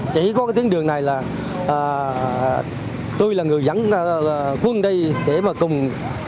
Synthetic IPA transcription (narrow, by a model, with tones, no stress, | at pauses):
t͡ɕi˧˩kɔ˨˦ka˨˦jt̪i˨˦əŋɗɨ˨˩əŋna˨˩jlaː˨˩ | ʔaː˨˩ | t̪o˧jlaː˨˩ŋɨ˨˩əjza̰˧˥˦ŋ˧kwə˧nɗə˧jɗe˧˩maː˨˩kʊ˨˩ŋ͡m